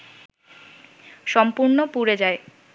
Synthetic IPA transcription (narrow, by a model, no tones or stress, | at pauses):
ʃɔmpuɾnopuɾed͡ʑae